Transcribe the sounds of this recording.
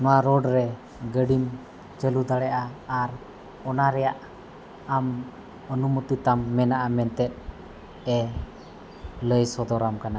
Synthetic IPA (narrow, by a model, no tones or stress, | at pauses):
nuaɾɔɖɾɛ | ɡəɖim | t͡ʃəlud̪alɛʔaːɾ | ɔnaɾɛaʔ | am | ɔnumut̪it̪amːɛnaʔamɛnt̪ɛt̪̚ | ɛ | ləjsɔd̪ɔɾamkana